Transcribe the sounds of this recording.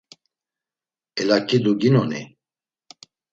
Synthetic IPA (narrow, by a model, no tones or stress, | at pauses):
ɛlakʼid̪uɡinɔnḭ